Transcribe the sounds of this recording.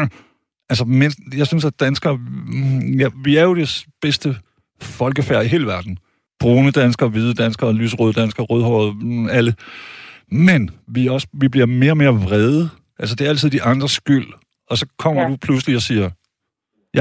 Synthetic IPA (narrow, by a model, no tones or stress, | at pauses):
ælsəmenjɑ̈ɪsynsæd̥ænsɡ̥ɐ | jɑʋiæɐjo̝d̥eb̥esd̥ə | fɒ̽lɡ̥əfæɐ̰iɦe̝ːləʋæɐd̥n̩ | b̥ʁuːnəd̥ænsɡ̥ɐʋið̞ˠəd̥ænsɡ̥ɐlyːsəʁoːd̥ænsɡ̥ɐʁoːðˠhɒð̩ˠælə | menʋiɒ̽sə̥ʋib̥liɐ̰me̝ːɐɒ̽me̝ːɐʋʁɛð̞ˠə | ʔæls̬əd̥e̝ɐæl̰t͡sʰiðˠd̥iʔɑ̈nd̥ʁɐsɡ̥yl̰ | ɒ̽sɒ̽kʰɒ̽m̰ɐd̥upʰlusəliɒsiːɐ | j